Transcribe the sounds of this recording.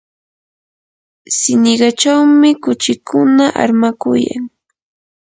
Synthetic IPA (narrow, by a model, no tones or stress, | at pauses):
sɪnɪɢɑt͡ʃawmɪkʊt͡ʃɪkʰʊnaʔa̰ɾmakʊja̰ŋ